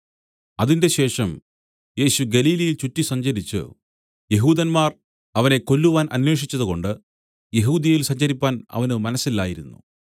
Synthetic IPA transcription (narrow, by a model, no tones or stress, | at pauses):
ɐðinde̞ɕe̞ːʂɐm | je̞ːɕuɡɐliːlɐjilt͡ɕutːisɐɲd͡ʑɐɾit͡ɕːɨ̰ | je̞ɦuːðɐnmaːr | ɐʋɐne̞kːo̞lːuʋaːnʔɐ̰nwe̞ːʂit͡ɕːɐðuɣo̞ɳɖɨ | je̞ɦuːd̪jɐjilsɐɲd͡ʑɐɾipːaːnɐ̰ʋɐnɨmɐnɐsːilːaːjiɾunːṵ